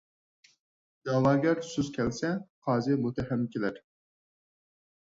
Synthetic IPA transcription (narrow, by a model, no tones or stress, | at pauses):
jɑlˠɑːɡʲæɾsuz̥kʲʰɛlsɛqʰɑːzɪmut̪ʰɛɦɛmkʲelæɾ